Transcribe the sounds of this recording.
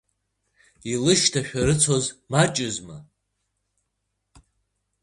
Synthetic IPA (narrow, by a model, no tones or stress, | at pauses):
ilɨʃtʰaʃᶣaɾɨt͡sʰo̞zmat͡ʃʼɪzma